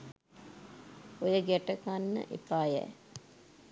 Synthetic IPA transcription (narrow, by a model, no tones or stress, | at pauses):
ojəɡɛʈəkanːə̰ʔḛpaːjæ̰